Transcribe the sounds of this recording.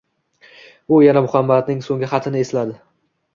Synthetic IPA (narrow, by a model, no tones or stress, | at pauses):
ʊjanamʊχamːad̪nɪŋsoŋɡʲɪχɑt̪ʰɪnɪe̞slad̪ɪ